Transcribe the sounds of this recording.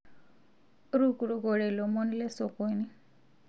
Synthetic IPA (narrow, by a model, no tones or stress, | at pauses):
ɾukuɾuɡɔɽelomʌnlesokojni